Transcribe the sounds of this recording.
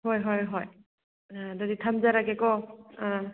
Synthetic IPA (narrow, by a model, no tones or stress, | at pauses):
ɦojɦɔjɦɔj | dʌditʰamzaɾaɡekɔ